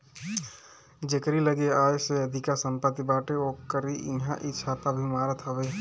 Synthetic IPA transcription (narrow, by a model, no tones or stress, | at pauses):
d͡ʒekɾiləɡeaːeseəd̪ʱikasə̃mpət̪ibaːʈeokkəɾiʔɪɦãʔɪːʃʰat̪abʱimaːɾət̪ɦəbeː